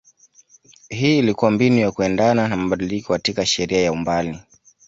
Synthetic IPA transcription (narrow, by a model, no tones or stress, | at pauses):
hiːlikuwambinujakuɛndananamaɓaɗilikɔkatikaʃɛɾiajaumbali